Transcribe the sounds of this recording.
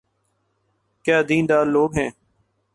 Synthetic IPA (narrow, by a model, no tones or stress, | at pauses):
kjaːd̪iːnd̪aːɾloːɡɦɛ̃ː